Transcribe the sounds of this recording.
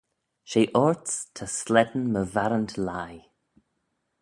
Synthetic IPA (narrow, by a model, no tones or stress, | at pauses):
ʃeːʔɔɹtstʰəslɛdən̩məvaɾəntlaj